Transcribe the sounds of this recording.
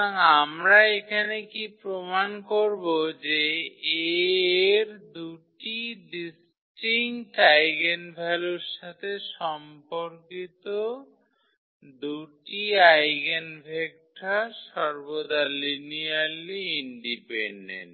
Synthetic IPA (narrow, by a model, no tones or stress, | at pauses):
aŋamɾaekʰanekipɾomankoɾbod͡ʑee | ɾd̪uʈiɖis | ʈiŋʈajɡenbʱɛluɾʃat̪ʰeʃɔmpoɾkit̪o | d̪uʈiajɡenbʱek̚ʈʰaʃɔɾbod̪alinialiinɖipeɳɖḛnʈ